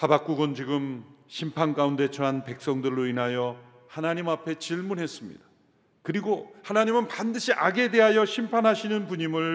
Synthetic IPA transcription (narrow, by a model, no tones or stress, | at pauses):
habak͈uɡɯnt͡ɕiɡɯmɕʰimpʰank͈aunde̞t͡ɕʰʌɦanpe̞k̚s͈ʌŋdɯɭːoinɦajʌ | hanaɲimapʰe̞t͡ɕiɭmunɦe̞s͈ɯmɲḭd̥ḁ | kɯɾiɡohanaɲimɯnpandɯɕʰiʔaɡe̞de̞ɦajʌɕʰimpʰanɦaɕʰinɯnpuɲimɯɭ